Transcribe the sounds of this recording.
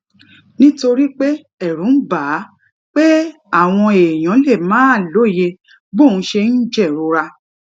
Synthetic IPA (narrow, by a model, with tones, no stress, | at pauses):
nĩ˦to˧ɾi˦k͡pe˦ | ɛ˦˨ɾũ˨˦ba˨˦ | k͡pe˦ | a˦˨w̃ɔ̃˧e˨j̃ɔ̃˨˦le˦˨mãː˨˦˨lo˨˦˨je˧ | bo˦˨nũ˨˦ʃe˧n̩˦d͡ʒɛ˦˨ɾo˨˧˦ɾa˧